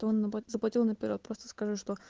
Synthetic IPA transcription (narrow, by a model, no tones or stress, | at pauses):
t̪oonːzəplˠɐtʲilˠnəpʲɪɾʲo̞t̪̚pɾo̞st̪ə̥skɐʐɨʂt̪o̞